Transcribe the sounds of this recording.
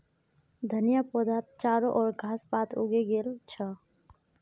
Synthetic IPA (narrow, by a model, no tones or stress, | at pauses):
d̪ʱənjapoːd̪ʱaːt̪̚t͡ʃaːɾoʔɔːɾɡʱaːspaːt̪uɡeɡeːlt͡ʃʰə